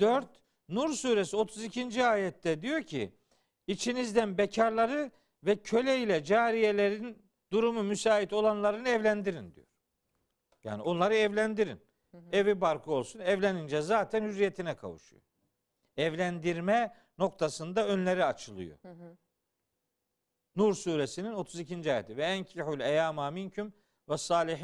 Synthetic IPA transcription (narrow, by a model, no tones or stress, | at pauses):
d̪̥øɾt̪ | nuɾsuːɾesio̞t̪ʰuzicʰind͡ʒiaːjɛt̪ːɛd̪ijo̞cʰḭ | it͡ʃʰinizd̪ænbecʰaɾlˠaɾɯ | vɛcʰø̞lʲɛilʲɛd͡ʒaːɾijelʲeɾin | d̪uɾumumysaːit̪o̞lˠanlˠaɾɯnɯɛvlʲænd̪iɾind̪ḭjo̰ɾ̥ | ja̰ːnio̞nlˠaɾɯɛvlʲænd̪iɾḭn | evibaɾkʰɯo̞lˠsunɛvlʲenind͡ʒɛzaːt̪ʰænhyɾːijet̪ʰinɛkʰa̰vṵʃṵjo̰ | ɛvlʲænd̪iɾmɛ | no̞k̚t̪ʰasɯnd̪aø̞nlʲeɾiat͡ʃʰɯlˠɯ̰jo̰ | nuɾsuːɾesinino̞t̪ʰuzicʰind͡ʒiaːjet̪ʰivɛæncʰiħulʲɛjaːmaːmincʰym | vɛsaːlʲiħ